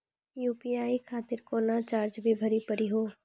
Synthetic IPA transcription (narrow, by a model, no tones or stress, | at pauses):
juːpiaːikʰaːt̪ɪɾkoːnat͡ʃaːɾd͡ʒbʱibʱɐɾipəɾiɦoː